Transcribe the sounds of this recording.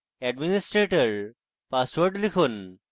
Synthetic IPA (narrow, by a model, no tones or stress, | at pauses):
ɛɖminisʈɾeʈəɾ | pasʋəɾʈlikʰun